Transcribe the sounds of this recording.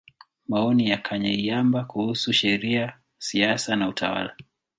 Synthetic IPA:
maɔnijakʰaɲaiambakuhusuʃɛɾia | siasanautʰa̰wa̰la

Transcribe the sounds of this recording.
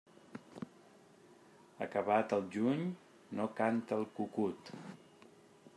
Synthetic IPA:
ə̰kəβ̞at̪əlˠʒuɲ | nokant̪əlˠkukut̪

